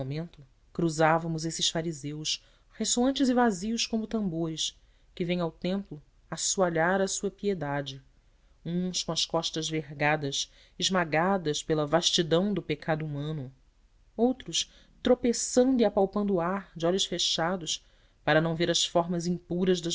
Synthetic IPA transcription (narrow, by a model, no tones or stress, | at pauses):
mẽnt̪ʊ | kɾuzavɐmʊzesɪsfaɾizews | hesoɐ̃nt͡ʃɪzɪvaziʊskõmʊt̪ɐ̃mboɾɪs | kɪvẽj̃awt̪ẽmplʊ | asuaʎaɾɐsuɐpied̪ad͡ʒɪ | ũskõɐʃskɔʃt̪ɐzveɦɡad̪ɐs | ɪʒmaɡad̪ɐspelɐvaʃt͡ʃid̪ɐ̃w̃d̪ʊpekʰad̪uumɐ̃nʊ | owt̪ɾʊs | t̪ɾopesɐ̃nd̪ʊiapawpɐ̃nd̪ʊːaɾd͡ʒɪɔʎʊsfeʃad̪ʊs | paɾɐnɐ̃w̃veɾɐsfɔɾmɐzĩmpuɾɐzd̪ɐ